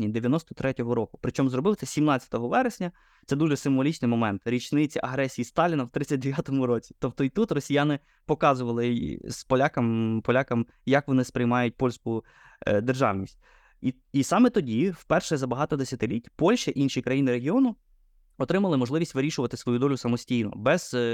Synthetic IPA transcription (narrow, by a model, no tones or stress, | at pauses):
nʲid̪eʋʲjɐnɔst̪ɔt̪ɾɛtʲɔɦɔɾɔkʊ̥pɾɪt͡ʃɔmzɾɔbɪlˠsʲɛsʲimnɑt͡sʲɐ̥t̪ɔɦɔʋɛɾesʲnʲɐ | t̪sɛd̪uʒɛsɪmʋɔlʲit͡ʃnɪjmɔmɛnt̪ɾʲit͡ʃnɪt͡sʲiʔɐɦɾɛsʲijist̪ɑlʲinɐwt̪ɾɪt͡sʲːɐt̚ʲd̪eʋʲjat̪ɔmʊɾɔt͡sʲi̥t̪ɔp̚t̪ɔit̪ut̪rɔsʲijanɪ | pɔkɑzʊʋɐlˠɪspɔlʲakɐmpɔlʲakɐm | jɐkʋɔnɪspɾɪjmɑjʊt̚ʲpɔlʲsʲkʊ | d̪erʒɑwnʲisʲt̚ʲ | i | isɑmɛt̪ɔdʲiwpɛrʃɛzɐbɐɦɑt̪ɔd̪esʲɐt̪ɪlʲitʲpɔlʲʃɛʔinʃikɾɐjinɪɾeɦʲiɔnʊ | ɔt̪ɾɪmɐlˠɪmɔʒlˠɪʋʲisʲtʲʋɪɾʲiʃʊʋɐt̪ɪsʋɔjud̪ɔlʲʊsɐmɔsʲtʲijnɔ̰bɛz̥